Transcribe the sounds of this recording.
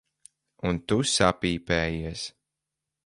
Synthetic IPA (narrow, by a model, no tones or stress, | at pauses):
unt̪usapiːpɛːjiɛs